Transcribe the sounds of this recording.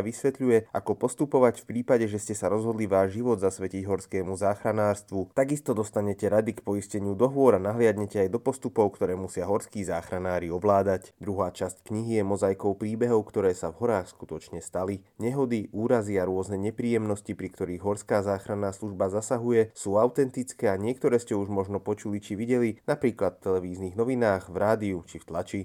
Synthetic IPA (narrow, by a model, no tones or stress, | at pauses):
ʋisʋɛt̪ʎujɛʔakɔpɔst̪upɔʋacfpɾiːpaɟɛʒɛscɛsaɾɔzɦɔd̪liʋaːʒʒiʋɔd̪zasʋɛciɟɦɔɾskɛːmuzaːxɾanaːɾst̪ʋut̪aɡist̪ɔd̪ɔst̪aɲɛcɛɾad̪ikpɔiscɛɲɪud̪ɔɦʋʊɔɾanaɦlɪad̪ɲɛcɛajd̪ɔpɔst̪upɔʊkt̪ɔɾɛːmusɪaɦɔɾskiːzaːxɾanaːɾiɔʋlaːd̪acd̪ɾuɦaːt͡ʃasckɲiɦijɛmɔzajkɔʊpɾiːbɛɦɔʊkt̪ɔɾɛːsavɦɔɾaːxskut̪ɔt͡ʃɲɛst̪aliɲɛɦɔd̪iʔuːɾaziaɾʊɔznɛɲɛpɾiːjɛmnɔscipɾikt̪ɔɾiːɣɦɔɾskaːzaːxɾanːaːsluʒbazasaɦujɛsuːawt̪ɛnt̪it͡skɛːaɲɪɛk̚t̪ɔɾɛːscɛuʒmɔʒnɔpɔt͡ʃulit͡ʃiʋiɟɛlinapɾiːklat̪ft̪ːɛlɛʋiːzniːɣnɔʋinaːɣvɾaːd̪iut͡ʃift̪lat͡ʃi